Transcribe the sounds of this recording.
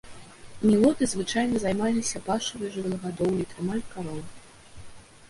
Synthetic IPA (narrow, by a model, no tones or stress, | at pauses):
nʲivɔt̪ɨzvɨt͡ʂajnɐzajmalʲisʲɐpaʂɨɾɨjʐɨvʲɛlˠɐɣad̪ɔwlʲit̪ɾɨmalʲkaɾɔwˠ